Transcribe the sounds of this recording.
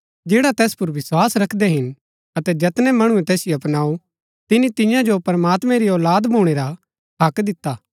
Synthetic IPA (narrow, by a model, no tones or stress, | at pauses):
d͡ʒeːɽat̪ɛːspʊɾʋɪswaːsɾɐkʰd̪ɛɦɪn | ɐt̪ɛd͡ʒɐt̪nɛmɐɽ̃uɛ̃t̪ɛːsɪjoɐpnaːu | t̪ɪnĩt̪ɪ̃jãd͡ʒopɐɾɐmaːt̪mɛ̃ɾiɔːlaːd̪bʱuːɽ̃eːɾa | ɦɐkd̪ɪt̪ːaː